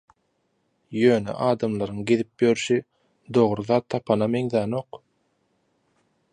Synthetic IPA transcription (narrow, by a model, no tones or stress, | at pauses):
jøːnḛʔɑːd̪ɑmlˠɑɾɯŋɡeðip̚jøɾyʃi | d̪o̞ʁɾɯðɑːt̪ʰːɑpʰɑnɑmeŋðæːnoq